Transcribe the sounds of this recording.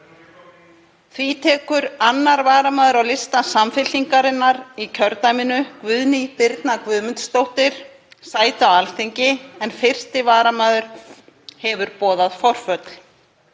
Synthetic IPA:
θvit̪ʰɛːkʏɾanːaɾvaːɾamaːðʏɾawlɪst̪asamfɪliŋkaɾɪnːaɾicʰœɾt̪ajmɪnʏkvʏðnipɪɾt̪nakvʏðmʏnt̪st̪owht̪ɪɾ̥ | saːjt̪awalθɪɲcɪɛnfɪr̥st̪ɪvaːɾamaːðʏɾ̥ | hɛvʏɾpɔːðaðfɔr̥fœt̪l̥

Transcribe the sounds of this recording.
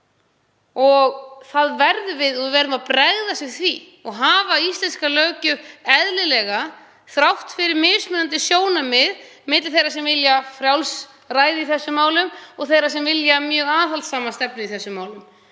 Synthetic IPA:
ɔɣθaðvɛɾðʏvɪðɔɪvɛɾðʏmaðpɾɛɣðasɪɣθvi | ɔɣɦaːvaist̪ɛnskalœɥcʏɛðlɪlɛɣa | θɾawht̪fɪɾɪɾmɪːsmʏnant̪ɪsjoːwnamɪðmɪːt̪lθejɾasɛmvɪljafɾjawls | raːjðɪiθɛsːʏmaːwlʏmɔɣθejɾasɛmvɪljamjœːɣaːθalt̪saːmast̪ɛpnʏiθɛsːʏmːaːwlʏm

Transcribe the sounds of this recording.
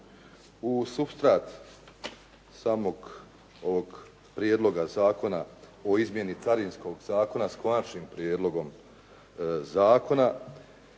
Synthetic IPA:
usubst̪ɾaːt̪ | saːmo̞ɡ | o̞ʋoɡ | pɾjed̪lˠo̞ɡazaːko̞naoizmje̞nit̪saɾinsko̞ɡzaːko̞naskoat͡ʃnimpɾjeːd̪lo̞ɡo̞m | zaːko̞na

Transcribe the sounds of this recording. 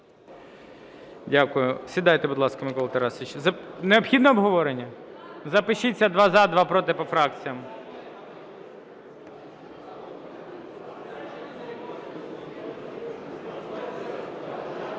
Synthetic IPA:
dʲakʊjʊsʲʋʲid̪ɑjt̪ɛbud̪lˠɑskɐmɪkɔlˠɐt̪ɐɾɑsʲit͡ʃzɐneɔpxʲid̪nɔɔbɦɔʋɔɾenʲːɐ | zɐpɪʃit͡sʲːɐd̪ʋɑzɑd̪ʋɑpɾɔt̪ɪpɔfɾɑkt͡sʲijɐm

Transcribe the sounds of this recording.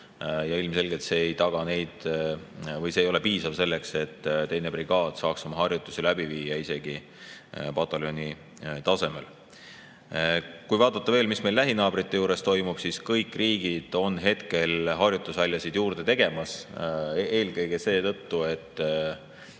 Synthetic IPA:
jɑilmse̞lɡelt̪seejt̪ɑɡ̥ɑne̞jd̪̥ | vɤjseːjo̞le̞piːsɑvse̞lːe̞kse̞t̪ːt̪e̞jne̞priɡ̥ɑːd̪̥sɑːksomɑɦɑrjut̪ːˑusilæbiviːjɑise̞ɡ̥i | pɑt̪ːˑɑlo̞ni | t̪ɑse̞mel | kujvɑːd̪̥ɑt̪ːˑɑve̞ːlmismelːæɦinɑːb̥rit̪ːe̞juːɾe̞st̪o̞jmub̥siskɤjkːˑriːɡid̪̥o̞nɦe̞t̪ke̞lɦɑrjut̪ːˑusɑlʲːjɑsid̪̥juːrd̪e̞t̪e̞ɡ̥e̞mɑs | e̞ːlɡɤjɡ̥e̞se̞ːt̪ɤ̞t̪ːue̞t̪ˑː

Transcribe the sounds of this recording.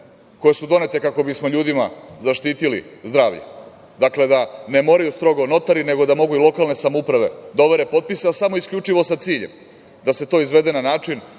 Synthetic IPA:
ko̞je̞sud̪o̞net̪e̞kako̞bismo̞ʎuːd̪ima̰zaʃt̪iːt̪ilḭzd̪ɾaːʋʎḛ | d̪akle̞d̪ane̞mo̞ːɾajust̪ɾo̞ɡo̞no̞t̪aɾine̞ɡo̞d̪amo̞ɡuilˠo̞kalne̞samoupɾaʋe̞̰d̪oʋeɾe̞po̞t̪̚piseasamo̞iskʎʲut͡ʂiʋo̞satt̪siːʎem | d̪ase̞t̪o̞ːizʋe̞d̪e̞nanaːt͡ʂin

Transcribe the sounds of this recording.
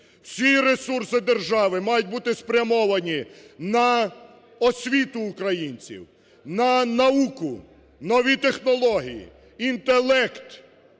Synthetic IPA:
w̥sʲiɾesursɪd̪erʒɑʋɪmɑjʊt̚ʲbut̪ɪspɾʲɐmɔʋɐnʲinɐ | ɔsʲʋʲit̪ʊːkɾɐjinʲt͡sʲḭw | nɐnɐukʊ | nɔʋʲit̪exnɔlˠɔɦʲijḭ | int̪elˠɛkt̪

